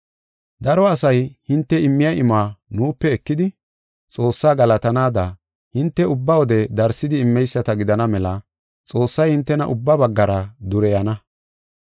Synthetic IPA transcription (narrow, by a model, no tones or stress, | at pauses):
d̪ɐɾɔɐsɐjhɪnt̪ːɛɪmːɪjɐʔɪmaːnuːpːɛːkːɪd̪ɪ | t͡sʼo̞ːsːaːɡɐlɐt̪ɐnaːd̪ɐ | hɪnt̪ːɛʊbːɐwɔd̪ɛd̪ɐɾsːɪd̪ɪɪmːɛjsːɐt̪ɐɡɪd̪ɐnɐmɛlɐ | t͡sʼo̞ːsːɐjhɪnt̪ːɛnɐʔʊbːɐbɐɡːɐɾɐd̪ʊɾɛjɐnɐ